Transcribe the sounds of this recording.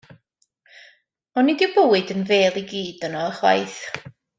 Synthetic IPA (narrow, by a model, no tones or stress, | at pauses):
ɔnidɪwbəwɨdənveːlˠiɡiːd̥ənɔəχwa̰jθ